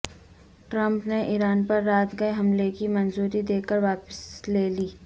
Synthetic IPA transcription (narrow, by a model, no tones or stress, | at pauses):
ʈɾə̃mpneʔiːɾaːnpɐɾːaːt̪ɡɐeɦɐmlekimɐnzuːɾid̪eːkəɾʋaːpəsleːliː